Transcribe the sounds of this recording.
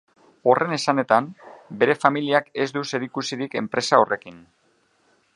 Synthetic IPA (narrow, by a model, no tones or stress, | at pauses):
o̞re̞ne̞sane̞t̪ambe̞ɾe̞familiake̞zd̪use̞ɾikusiɾike̞mpɾe̞sao̞re̞kin